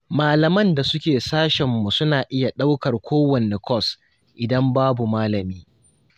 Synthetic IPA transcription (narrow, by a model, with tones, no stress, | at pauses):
maː˨lɐ˨mɐ˦nda˨sʊ˦kʲeː˨saː˦ʃɛ˨mːu˨sʊ˦naː˨ʔɪ˦ja˨ɗa˦wkɐ˨rkʷʰoː˦wɐ˨ne˨kʰʷɔ˦˨s | ʔɪ˨dɐ˦mbaː˦bu˨maː˦lɐ˨miː˦